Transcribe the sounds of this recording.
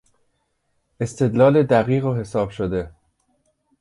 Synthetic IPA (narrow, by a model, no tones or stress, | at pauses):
e̞st̪ʰe̞d̪lɒːled̪æɣiːɣoɦe̞sɒːb̥ʃod̪e̞